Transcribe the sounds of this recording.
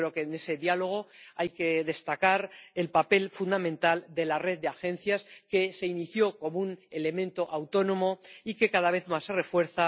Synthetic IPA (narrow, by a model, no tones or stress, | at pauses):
ɾeokene̞se̞ðjalo̞ɣ̞o̞ajke̞ðe̞st̪akaɾe̞lpape̞lfund̪amẽ̞nt̪ald̪e̞lareð̚d̪eaxẽ̞nθjaske̞se̞iniθjo̞ko̞moune̞le̞mẽnt̪o̞ʔawt̪o̞nõ̞mo̞ike̞kaðaβ̞e̞θmasːere̞fwe̞ɾθa